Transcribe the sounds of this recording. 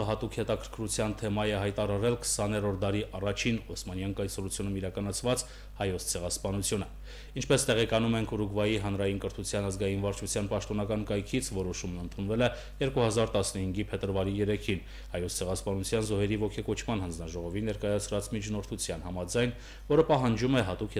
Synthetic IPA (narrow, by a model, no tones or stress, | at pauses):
ɦɑt̪ukʰhɛt̪ɑkʰəɾkʰɾut͡sʰjɑnt̪ʰɛmɑjɛɦɑjt̪ɑɾɑɾɛlkʰə̥sɑnɛɾɔɾd̪ɑɾiʔɑrɑt͡ʃʰinɔsmɑnjɑŋkɑjsɔɾut͡sʰjunumiɾɑkɑnɑt͡sʰvɑt͡s | hɑjɔt͡sʰt͡sʰɛʁɑspɑnut͡sʰjunə | int͡ʃʰpɛst̪ɛʁɛkɑnumɛŋkʰuɾuɡvɑjiɦɑn̪ɾɑjinkəɾt̪ʰut͡sʰjɑnɑzɡɑjinvɑɾt͡ʃʰut͡sʰjɑnpɑʃt̪ɔnɑkɑnkɑjkʰit͡sʰvɔɾɔʃumnənt̪ʰunvɛlɛ | jɛɾkuhɑzɑɾt̪ɑsnəhiŋɡipʰɛt̪əɾvɑɾijɛɾɛkʰin | hɑjɔt͡sʰt͡sʰɛʁɑspɑnut͡sʰjɑnzɔhɛɾivɔkʰɛkɔt͡ʃʰmɑnhɑnd͡znɑʒɔʁɔvinːɛɾkɑjɑt͡sʰɾɑt͡smit͡ʃʰnɔɾt̪ʰut͡sʰjɑnhɑmɑd͡zɑjn | vɔɾəpɑɦɑnd͡ʒumɛɦɑt̪ukʰɛ